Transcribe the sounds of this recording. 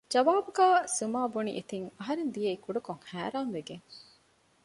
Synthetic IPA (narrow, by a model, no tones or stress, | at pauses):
d͡ʒɐʋaːbuɡæːsumaːbunḭʔet̪iŋɐɦɐɾend̪ijeikuɖɐkoŋhæːɾaːmʋeɡeŋ